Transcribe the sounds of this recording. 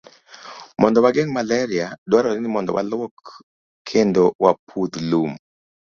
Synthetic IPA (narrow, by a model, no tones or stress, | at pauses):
mɔndɔwaɡeŋmalɛɾiadwaɾɔnɪnɪmɔndɔ̰wa̰lwɔk | kʰendowapʰud̪lum